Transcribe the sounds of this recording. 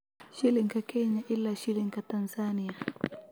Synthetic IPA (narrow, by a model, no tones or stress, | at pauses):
ʃiliŋkakɛɲaʔilːaʃiliŋɡatanzania